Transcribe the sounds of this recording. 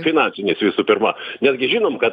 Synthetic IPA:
fʲɪnɑːnʲsʲɪnʲeːsʋʲɪsuːpʲɪɾmɐnʲɛd̪ʲɡʲɪʒʲiːnoːmkɐt

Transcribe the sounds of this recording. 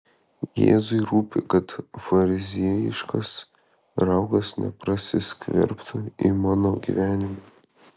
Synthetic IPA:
jḛːzʊɪɾuːpʲɪ̰kɐt̪fɐɾʲɪzʲiɛjɪ̰ʃkɐs | ɾɐʊɡɐsnʲɛ̰pɾɐsʲɪsʲkʲʋʲɛ̰ɾpt̪ʊimɑːnoːɡʲḭʋʲæːnʲɪmɐ

